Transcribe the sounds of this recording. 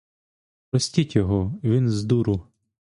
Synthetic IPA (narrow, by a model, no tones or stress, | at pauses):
pɾɔsʲtʲitʲjɔɦɔʋʲinzd̪uɾʊ